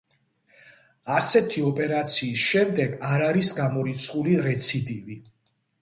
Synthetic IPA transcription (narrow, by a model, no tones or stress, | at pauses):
asɛt̪ʰiɔpʼɛɾat̪sʰiːsʃɛmd̪ɛɡaɾaɾisɡamɔɾit̪sʰχuliɾɛt̪sʰid̪ivi